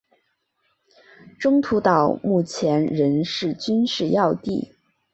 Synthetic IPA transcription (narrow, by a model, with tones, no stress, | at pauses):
ʈ͡ʂʊ˥ŋt̪ʰu˧˥t̪ɑ˨˩ʊmu˥˩t͡ɕʰjɛ˧˥nɻə˧˥nʂɻ̩˥˩t͡ɕy˥nʂɻ̩˥˧jɑ˥˧ʊt̪i˥˩